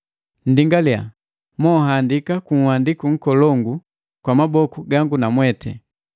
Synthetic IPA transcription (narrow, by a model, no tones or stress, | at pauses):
n̩diŋɡalia̰ | mɔɦandikakuŋ̩wandikuŋ̩kɔlɔŋɡu | kwamabɔkuɡaŋɡunamwɛtʰɛ